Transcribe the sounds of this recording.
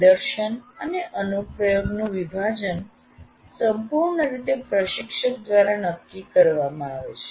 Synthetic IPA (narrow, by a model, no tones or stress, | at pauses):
d̪əɾʃənəneʔənupɾəjoɡnũʋibʱad͡ʒən | səmpuɾɳəɾit̪epɾəʃɪkʃək̚d̪ʋaɾanəkːikəɾʋamãaʋet͡ʃʰe̥